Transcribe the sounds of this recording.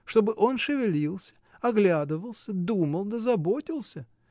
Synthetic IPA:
ʂt̪o̞bɨʔo̞nʂɨvʲɪlʲilˠsʲə̥ | ɐɡlʲad̪ɨvəlˠsʲəd̪uməlˠd̪əzɐbo̞tʲɪlˠsʲə

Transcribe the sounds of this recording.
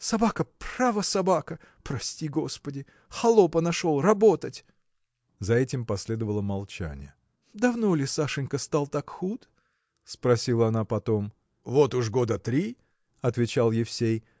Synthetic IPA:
sɐbakəpravəsɐbakə | pɾɐsʲtʲiɡo̞spədʲɪ | xɐlˠopənɐʂolˠrɐbo̞t̪ətʲ | zɐɛtʲɪmpɐsʲlʲe̞d̪əvəlˠəmɐlˠt͡ɕæ̰nʲɪ̰jə | d̪ɐvno̞lʲɪsaʂɨnʲkəst̪alˠt̪akxut̪ | spɾɐsʲilˠəɐnapɐt̪o̞m | vo̞t̪ʊʐɡo̞d̪ət̪ɾʲi | ɐt̪vʲɪt͡ɕalˠjɪfsʲej

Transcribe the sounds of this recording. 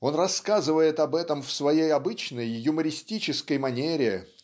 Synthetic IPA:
o̞nrɐskazɨvəjɪt̪ɐbɛt̪əmfsvɐjejɐbɨt͡ɕnəjːʊməɾʲɪsʲtʲit͡ɕɪskəjmɐnʲeɾʲɪɪ

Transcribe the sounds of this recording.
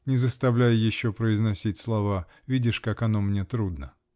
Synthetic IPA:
nʲɪzəst̪ɐvlʲæjʊjɪɕːopɾəɪznɐsʲitʲslˠɐva | vʲidʲɪʂkakɐnomnʲet̪ɾud̪nə

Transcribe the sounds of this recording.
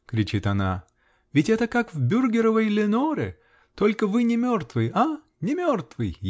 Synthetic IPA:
kɾʲɪt͡ɕit̪ɐna | vʲɪtʲɛt̪əkakvbʲurɡʲɪɾəvəjlʲɪnoɾɪ̰ | t̪o̞lʲkəvɨnʲɪmʲo̞rt̪vɨja | nʲɪmʲort̪vɨj

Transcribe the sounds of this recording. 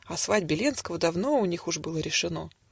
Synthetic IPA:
ɐsvad̚ʲbʲɪlʲenskəvəd̪ɐvno̞ʊnʲixʊʐbɨlˠəɾʲɪʂɨno̞

